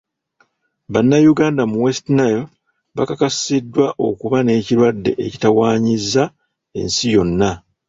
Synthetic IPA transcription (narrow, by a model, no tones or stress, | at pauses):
βanːajuɡaːndamuwestinajo | βakakasidːwaʔo̞̰kuβane̞ːciɾwadːe̞̰ʔecitawaːɲizːa | e̞̰nsijo̞nːa